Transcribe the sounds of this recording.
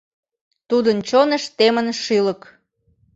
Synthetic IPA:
t̪ud̪ənt͡ɕonə̆ʃt̪emənʃilə̆k

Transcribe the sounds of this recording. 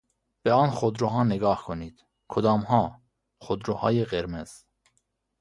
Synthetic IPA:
b̥eɑːnxod̪ɾoɦɑːneɡɑːhkʰoniːd̪̥ | kʰod̪ɒːmhɑː | χod̪ɾohɑ̰ːjeɣeɾmez̥

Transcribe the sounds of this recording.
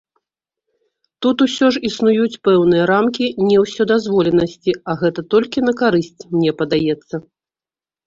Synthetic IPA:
t̪ut̪usʲɔʐisnujut͡sʲpɛwn̪ɨjɐɾamkʲinʲɛwsʲɔd̪azvɔlʲɛnɐsʲt͡sʲiɐɣɛt̪ɐt̪ɔlʲkʲinɐkaɾɨsʲt͡sʲmnʲɛpɐd̪ajɛt̪sːɐ

